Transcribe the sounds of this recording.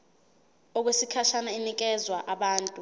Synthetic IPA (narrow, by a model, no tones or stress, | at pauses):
ɔk̬wesikʰaʃanainik̬ɛzwaʔaɓaːntʼu